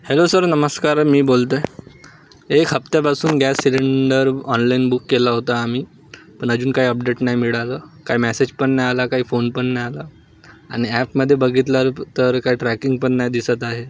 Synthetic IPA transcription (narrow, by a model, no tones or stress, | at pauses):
helosəɾnəməskaɾmiːbolt̪ə | ekʰɦəpt̪japasuːnɡɛsːiliɳɖəɾɔnlainbukːelaɦot̪aːmiː | pəɳ̃əd͡ʑuːnkaɦiəpɖeʈnaɦjmiɭaləːkaɦimɛsed͡ʑpəɳːajalakaɦiːfonpəɳːajala | a̰ɽ̃iæpməd̪ʱːjebəɡʱit̪̬laɾt̪əɾkaɦiːʈɾɛkiŋɡpəɳːajd̪isət̪aɦe